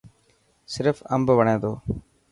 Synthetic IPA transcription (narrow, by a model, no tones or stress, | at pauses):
sɪɾfəmbʋəɳẽːd̪oː